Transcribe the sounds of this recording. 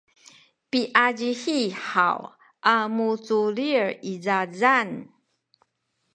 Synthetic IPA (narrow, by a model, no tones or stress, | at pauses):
piʔad͡ʒihiħa̰w | ʔamut͡suliɹizazan